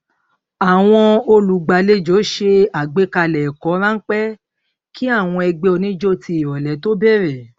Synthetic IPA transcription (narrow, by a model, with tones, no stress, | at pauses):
a˨w̃ɔ̃˧o˧lu˨ɡ͡ba˨˦le˦d͡ʒo˨˦ʃe˧a˨ɡ͡be˨˦ka˧lɛ˨kɔ˨˦ɾã˦ŋ̩˦k͡pɛ˦ | kʰi˦a˦˨w̃ɔ̃˧ɛ˧ɡ͡be˧o˧nĩ˦d͡ʒo˦˨ti˧i˨ɾɔ˨lɛ˨˦to˦bɛ˦˨ɾɛ˨